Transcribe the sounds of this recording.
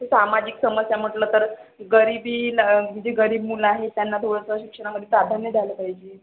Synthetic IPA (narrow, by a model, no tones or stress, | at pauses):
tesamad͡ʑiksəməsjam̤əʈləːt̪əɾɡəɾibiːid͡ʑeɡəɾiːbmulaɦet̪janːat̪ʰoɽəsəəɕikʂəɽ̃aməd̪ʱjepɾad̪ʱanjəd̪ʱaləpaɦid͡ʑe